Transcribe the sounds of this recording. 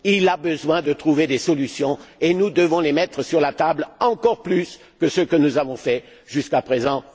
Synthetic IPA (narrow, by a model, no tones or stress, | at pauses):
ilabəzwɛ̃d̪ət̪χuved̪esɔlysjɔ̃enud̪əvɔ̃lemɛt̪χəsyʁlat̪ablɑ̃kɔʁplys | kəsəkənuzavɔ̃fɛ | ʒyskapχezɑ̃